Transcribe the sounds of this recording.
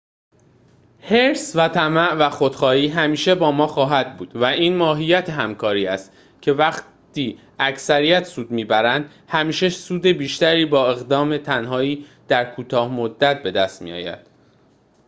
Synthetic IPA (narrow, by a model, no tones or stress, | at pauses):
heɾsvæt̪ʰæmæʔvæxod̪̥xɒːhiːɦæmiːʃe̞bɒːmɒːxɒːɦæd̪̚buːd̪̥væʔiːnmɒːɦijæt̪ʰeɦæmkʰɒːɾiːæst̪ | cʰe̞væχ | t̪ʰiː | æcsæɾijæt̪suːd̪miːbæɾænd̪̥ | hæmiːʃesuːd̪e̞biːʃt̪æɾiːbɒːe̞ɣd̪ɒːme̞t̪ʰænhɒːiːd̪̥æɾkʰuːt̪ʰɒːhmod̪ːæt̪̚be̞d̪æst̪mḭjɒ̰ːjæ̰d̪̥